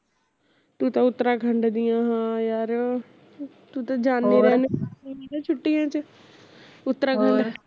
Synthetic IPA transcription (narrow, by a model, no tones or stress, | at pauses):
t̪uːt̪ãʊt̪ːɾãːkʰə̃ɳɖd̪ijãːɦãːjaːɾ | t̪ut̪ãd͡ʒaːnːiːɾɛːnːeat͡ʃʰʊʈːijãːt͡ʃə | ʊt̪ːɾaːɡʰə̃ɳɖ